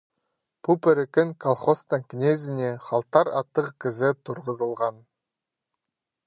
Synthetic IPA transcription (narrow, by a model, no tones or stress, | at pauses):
pʰupʲeɾɪkʲɪŋkʰolˠχost̪əŋkʲnʲezɪneχɑlˠt̪ɑɾɑt̪ːəqkʲʰɪzɪt̪ʰʊɾʁəzəlˠʁɑn